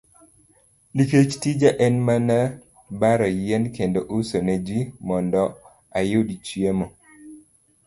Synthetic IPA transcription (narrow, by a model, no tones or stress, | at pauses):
diket͡ʃtid͡ʒaʔɛnmana | baɾɔjɛnkendoʔusonɛd͡ʒwimɔndɔ | ajodit͡ʃiemo